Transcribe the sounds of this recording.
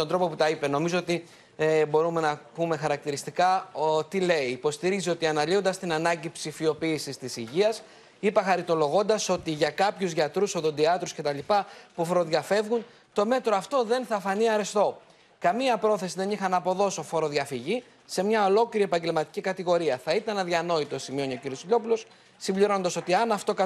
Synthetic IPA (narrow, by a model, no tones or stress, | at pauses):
t̪ond̪ɾo̞po̞put̪ɐipe̞no̞mizoot̪i | bo̞ɾume̞nɐpume̞xɐɾɐk̚t̪iɾist̪ikɐot̪ile̞iːpo̞st̪iɾizio̞t̪iɐnɐlio̞nd̪ɐst̪inɐnɐɲɟipsifio̞piːsist̪isiʝiɐs | ipɐxɐɾit̪o̞lo̞ɣo̞nd̪ɐso̞t̪iʝɐkɐpçuzʝɐt̪ɾusoðo̞nd̪iɐt̪ɾusce̞t̪ɐlipɐpufoɾo̞ðʝɐfe̞vɣun | t̪o̞me̞t̪ɾo̞ɐft̪o̞ðe̞nθɐfɐniɐɾest̪o̞ | kɐmiɐpɾo̞θe̞siðe̞nixɐnɐpo̞ðo̞so̞fo̞ɾo̞ðʝɐfiʝi | se̞mɲɐo̞lo̞cliɾie̞pɐɲɟe̞lmɐt̪i̥cikɐt̪iɣo̞ɾiɐθɐit̪ɐnɐðʝɐno̞it̪o̞simio̞nio̞ciɾiosiʎo̞pulo̞s | simbʎiɾo̞nond̪ɐso̞t̪iɐnɐft̪o̞kɐ